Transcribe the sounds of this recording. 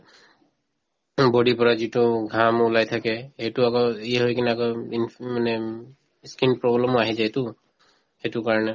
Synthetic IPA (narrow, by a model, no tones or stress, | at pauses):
bodipɔɹazitʊɡʱamulajt̪ʰakɛhetuakɔiɦojkinɛakɔinmanɛ | skinpɹɔblɔmɔaɦizajtʊ | hetukaɹɔnɛ